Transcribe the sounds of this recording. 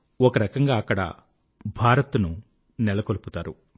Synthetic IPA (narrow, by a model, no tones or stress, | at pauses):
ɔkɐɾɐkɐŋɡaːɐkːɐɽɐ̰ | bʱaːɾɐt̪nu | nɛlɐkoluput̪aːɾu